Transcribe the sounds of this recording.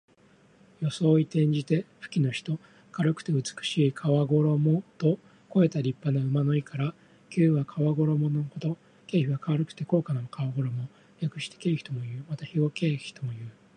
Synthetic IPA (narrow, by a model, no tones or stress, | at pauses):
jo̞so̞ːit̪ẽ̞ɲ̟d͡ʑit̪e̞ɸɯ̟̥kʲino̞çi̥t̪o̞ | kaɾɯ̟kɯ̟̥t̪e̞ɯ̟t͡sɨ̥kɯ̟̥ɕiːkʰaβaɡo̞ɾo̞mo̞t̪o̞ | ko̞e̞t̪aɾʲipːanoɯ̟mano̞ikʰaɾa | kʲɨːβakʰaβaɡo̞ɾo̞mo̞nohot̪o̞ | ke̞ːçiβakaβaɾɯkɯ̥t̪e̞ko̞ːkanomokaβaɡo̞ɾo̞mo̞ | ɾʲakɯ̟̥ɕi̥t̪e̥ke̞ːçi̥t̪o̞mo̞jɯ̟ːmat̪açiɡo̞ke̞ːçi̥t̪o̞mo̞jɯ̟ː